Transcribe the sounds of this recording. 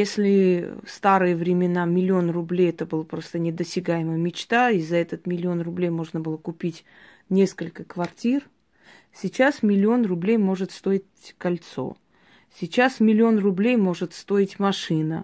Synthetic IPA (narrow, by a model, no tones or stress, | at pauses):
jesʲlʲɪfst̪aɾɨjəvɾʲɪmʲɪnamʲɪlʲɪo̞nrʊblʲejɛt̪əbɨlˠpɾo̞st̪ənʲɪd̪əsʲtʲɪɡajɪməjəmʲɪt͡ɕt̪aizɐɛt̪ət̪mʲɪlʲɪo̞nrʊblʲejmo̞ʐnəbɨlˠəkʊpʲitʲ | nʲe̞skəlʲkəkvɐrtʲir | sʲɪt͡ɕasmʲɪlʲɪo̞nrʊblʲejmo̞ʐɨt̪st̪o̞ɪt̚ʲkɐlʲt̪so̞̰ | sʲɪt͡ɕasmʲɪlʲɪo̞nrʊblʲejmo̞ʐɨt̪st̪o̞ɪtʲmɐʂɨnə